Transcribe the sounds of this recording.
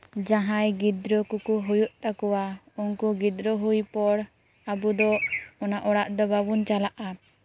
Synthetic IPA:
d͡ʒaɦãjɡid̪ɾɔkukuɦujuʔt̪akɔwa | unkuɡid̪ɾɔɦujpɔɽ | abud̪ɔɔnaʔɔɽaʔd̪ɔbabunt͡ʃalaʔa

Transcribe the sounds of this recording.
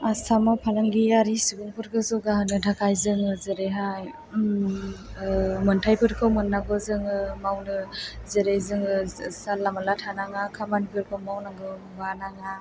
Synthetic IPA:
asʰamawpʰalaŋɡiaɾisibɯŋpʰɯɾɡɯzɔɡaɦɯnɯdʰakʰajzɯŋɯzɯɾeɦaj | mɯntʰajpʰɯɾkʰɯwmɯnːaɡɔzɯŋɯmawnɯzɯɾejzɯŋɯsalːamalatʰanaŋakʰamanpʰɯɾkʰɯwmawnaɡɯ | ɡanaŋa

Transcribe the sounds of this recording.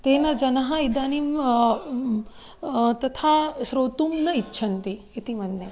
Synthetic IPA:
t̪eːnɐd͡ʒɐnɐɦɐ̆id̪aːnim | t̪ɐt̪ʰaːʃɾoːt̪umnɐitːʃʰɐnt̪i | it̪imɐnːe

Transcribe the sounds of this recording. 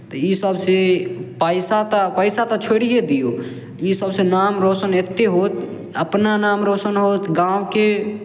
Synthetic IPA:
t̪əjisəbsepəɪsat̪apəɪsat̪at͡ʃʰoɽijed̪ijo | jisəbsenaːmɾoːsənet̪ːeɦot̪ | əpnanaːmɾoːsənɦoːt̪ɡãoke

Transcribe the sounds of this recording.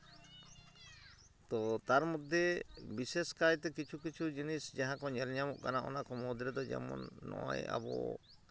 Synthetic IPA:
t̪ɔt̪aɾmɔd̪ʱːebiseskajt̪ɛkit͡ʃʰukit͡ʃʰud͡ʒinisd͡ʒaɦãkɔɲɛlɲamɔʔkanaʔɔ̰nakɔmɔd̪ɾɛd̪ɔd͡ʒɛ̰mɔ̰nːɔ̰ja̰bɔ̰

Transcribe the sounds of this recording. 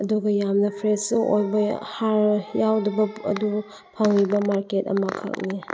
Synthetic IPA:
ɐduɡɐjamnɐpʰɾesuʔo̰jbɐhaɾjawdibɐɐ̰du | pʰaŋlibɐmaɾketɐ̰mɐkʰa̰k̚ni

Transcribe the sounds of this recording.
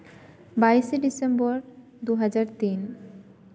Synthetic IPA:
bajʃeɖisembɔɾ | d̪uɦad͡ʑaɾt̪in

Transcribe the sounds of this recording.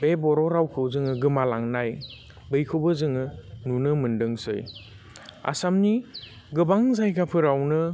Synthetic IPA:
bebɔɾɔɾawkʰɯwzɯŋɯɡɯmalaŋnaj | bɯjkʰɯwbɯzɯŋɯnunɯmɯndɯŋsɯ̰j | a̰samni | ɡɯbaŋzajɡapʰɯɾawnɯ

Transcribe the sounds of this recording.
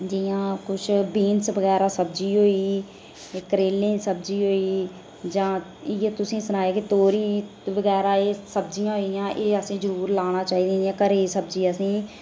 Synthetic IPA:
d͡ʒijãːkʊt͡ʃʰbiːnsʋəɡɛːɾaːsəbd͡ʒiːɦoːiː | kəɾeːlẽːsəbd͡ʒiːɦoːiː | d͡ʒãːɪjeːt̪ʊsĩːsənaːjaːkit̪oːɾiː | ʋəɡɛːɾaːeːsəbd͡ʒijãːɦoɪjãːʔeːəsĩːzəɾuːɾlaːɽ̃aːt͡ʃaːiːd̪ĩːãːkəɾeːsəbd͡ʒiːəsĩː

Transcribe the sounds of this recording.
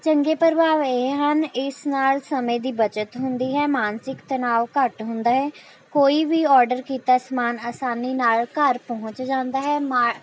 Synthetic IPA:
t͡ʃəŋɡeːpəɾbaːʋeɦənɪsnaːlsəmẽːd̪iːbət͡ʃət̪ɦʊnd̪iːɦɛːmaːnsɪkt̪ənaːʋkəʈɦʊ̃nd̪aːɦɛː | koːiːbiːɔːɾɖəɾkiːt̪aːsmaːnaːsaːniːnaːlkəɾpəɦʊ̃t͡ʃd͡ʒãːnd̪aːɦɛːmaː

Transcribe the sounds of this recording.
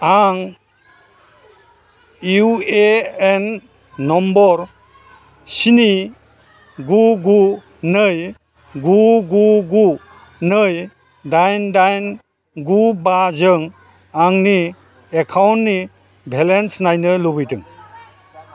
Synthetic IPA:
aŋ | jueenː | ɔmbɔɾ | sini | ɡuɡu | nɯj | ɡuɡuɡu | nəj | dajndajn | ɡubazɯŋ | aŋni | ekʰawntni | bʱelensnajnɯlubɯjtɯ̰ŋ

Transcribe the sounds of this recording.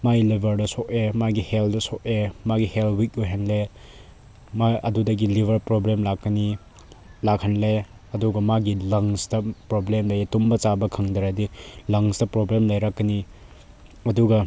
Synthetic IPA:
majlebʱɐɾdɐsok̚emaɡiheldɐsok̚emaɡihelwik̚uɦenle | maɐ̰dudɐɡilibʱɐɾpɾoblemlakːɐni | lakhɐnle | ɐduɡɐmaɡilɐŋstɐpɾoblemlɐjetumbɐt͡ʃabɐkʰɐŋdɐɾɐdilɐŋsdɐpɾoblemlɐjɾɐkːɐni | ɐduɡɐ

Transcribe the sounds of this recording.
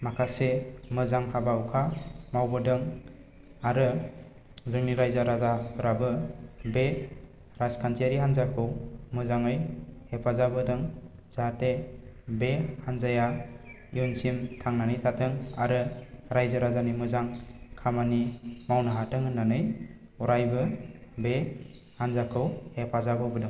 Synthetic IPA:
makʰasemɯzaŋhabawkʰamawbɯdɯŋ | aɾɯ | zɯŋniɾajzaɾazapʰɯɾabɯbe | ɾaskʰantʰiaɾiɦanzakʰɯwmɯzaŋɯjhepʰazabɯdɯŋ | zatebehanzaja | iunsimtʰaŋnanɯjtʰatʰɯŋaɾɯɾajzaɾazanimɯzaŋkʰamanimawnaɦatɯŋɯnːanɯj | ɔɾajbɯbe | hanzakʰɯwhepʰazabɯbɯdɯŋ

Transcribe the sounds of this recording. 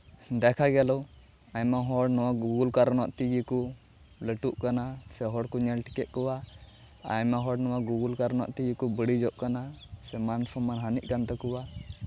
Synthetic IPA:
d̪ɛkʰaɡɛlɔ | aɲmaɦɔɽnɔwaɡuɡulkaɾnwa̰ʔt̪iɡiku | ləʈuʔkanasɛɦɔɽkɔɲɛlʈi̥kɛʔkɔwa | a̰jmaɦɔɽnɔwaɡuɡulkaɾna̰ʔt̪iɡikubəɽid͡ʒɔʔkanasɛmansɔmanɦaniʔ̚ˀkant̪ɛkɔwa

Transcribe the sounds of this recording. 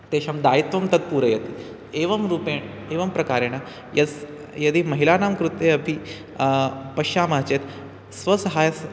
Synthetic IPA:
t̪eːɕɐmd̪aːjit̪ʋɐmt̪ɐt̪̚puːɾɐjɐt̪i | eːʋɐmɾuːpeːɳ | eːʋɐmpɾɐkaːɾeɽ̃a | jɐs | jɐd̪iːmɐɦilaːnaːmkɾut̪ːeɐpʰi | pɐʃaːmaːt͡ɕet̪ | sʋɐsɐɦaːjs

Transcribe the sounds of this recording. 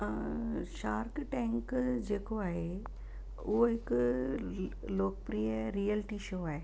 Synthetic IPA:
ʃaːɾkʈɛ̃ːŋkd͡ʑeːkoaːɦe | uoɦɪk | loːkpɾiːjəɾiːəlɪʈiʃoːaːɦe

